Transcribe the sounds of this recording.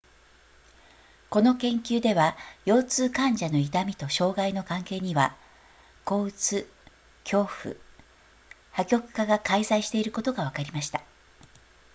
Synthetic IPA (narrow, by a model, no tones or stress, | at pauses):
ko̞no̞kẽ̞ŋkʲɨːd̪e̞βajo̞ːt͡sɨːkãɲd͡ʑano̞it̪amʲit̪o̞ɕo̞ːɡaino̞kãŋke̞ːɲ̟iβa | ko̞ːɯ̟t͡sɨ | kʲo̞ːɸɯ̟̰ | hakʲo̞kɯ̟̥kaɡakaizaiɕi̥t̪e̞iɾɯ̟ko̞t̪o̞ɡaβakaɾʲimaɕi̥t̪ḁ